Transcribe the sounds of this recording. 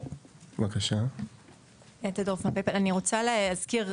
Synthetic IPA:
vakaʃa | jat̪adofmapepananiʁot͡saleazkiʁ

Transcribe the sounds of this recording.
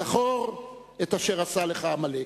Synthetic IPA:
aχoʁ | etaʃeʁasaleχamale

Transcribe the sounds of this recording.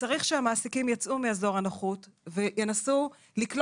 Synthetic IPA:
t͡saʁiχʃeamaːsikimjat͡sʔumiazo̞ʁanaχutvejenasu | liklo

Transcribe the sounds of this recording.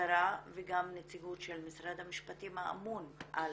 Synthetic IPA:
aɾaveɡamnet͡siɡutʃelmisɾad̪hamiʃpatimhaa̰munʔal

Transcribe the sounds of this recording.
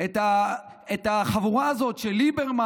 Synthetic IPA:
et̪a | et̪aχavuʁaːzo̞tʃelibeʁma

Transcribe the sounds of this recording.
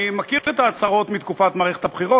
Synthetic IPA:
makiʁet̪aːt͡saʁo̞t̪mit̪kufat̪maːʁeχe̞t̪habχiʁo

